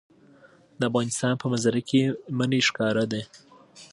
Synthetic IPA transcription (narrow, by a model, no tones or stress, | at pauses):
d̪əafɣɑnɪst̪ɑnpəmazaɾakeməneʃkɑɾad̪e